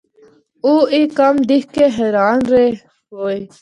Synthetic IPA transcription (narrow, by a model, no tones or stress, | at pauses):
uːiːkəmd̪ihkeːɦeːɾaːnɾeː | hoːe